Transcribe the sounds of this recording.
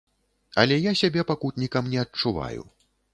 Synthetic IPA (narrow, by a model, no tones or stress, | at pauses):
ɐ̰lʲɛjasʲabʲɛpakut̪ʲnʲikɐmnʲɛɐt͡ʂuva̰jṵ